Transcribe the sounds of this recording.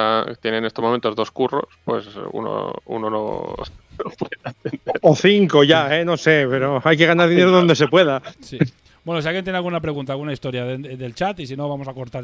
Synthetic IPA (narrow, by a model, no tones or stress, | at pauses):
at̪jenene̞st̪omome̞nt̪o̞zðo̞skuro̞̰spwe̞̰sṵno̰ṵnono̰ | pweaenoθiŋko̞ʝae̞no̞se̞pe̞ɾoajk̬e̞ɣ̞anaɾðine̞ɾoðo̞nd̪esepwe̞ðasi | bwe̞nos̬ialɣjent̪jenealɣunap̬ɾe̞ɣ̞unt̪alɣunaist̪o̞ɾjaðeðe̞lt͡ʃat̪isino̞βamo̞sako̞ɾt̪aɾ